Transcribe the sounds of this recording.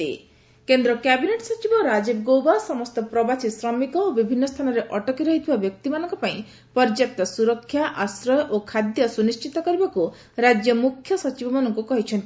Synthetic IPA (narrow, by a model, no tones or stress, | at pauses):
ḛ | kend̪ɾɔkjabineʈsɔt͡ʃibɔɾad͡ʒibɡowbasɔmɔst̪ɔpɾɔbasisɾɔmikɔobibʱinːɔst̪ʰanɔɾeʔɔʈɔkiɾɔɦit̪ʰibabjɔkt̪imanɔŋkɔpaĩ | pɔɾd͡ʒek̚t̪ɔsuɾɔkʰːjaʔasɾɔʔokʰad̪jɔsunist͡ʃit̪ɔkɔɾibaku | ɾad͡ʒjɔmukʰjɔsɔt͡ʃibɔmanɔŋkukɔɦit͡ʃʰɔnt̪i